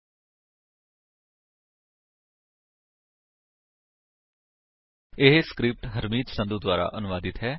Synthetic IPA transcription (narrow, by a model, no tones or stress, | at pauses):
ɪɦskɾɪp̚ʈɦəɾmiːt̪sə̃nd̪uːd̪ʋaːɾa̰ːʔənʊʋaːd̪ɪt̪ɦɛː